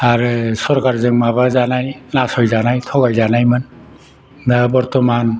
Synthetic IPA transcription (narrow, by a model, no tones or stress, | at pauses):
aɾɯsɔɾkaɹzɯŋmabazanajnasɔjzanajt̪ʰɔɡajzanajman | abɔɹt̪ɔman